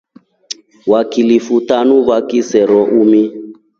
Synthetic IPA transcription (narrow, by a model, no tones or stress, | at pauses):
wakilifutanuβakisɛɾɔʔumi